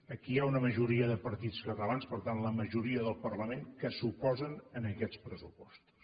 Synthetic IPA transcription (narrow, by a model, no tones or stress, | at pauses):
əkiaunəməʒuɾiəðəpəɾt̪it͡skət̪əlanspəɾt̪anləməʒuɾiəðəlˠpərləmeŋkəsupɔzənənəkɛt͡spɾəsupɔ̥st̪u̥s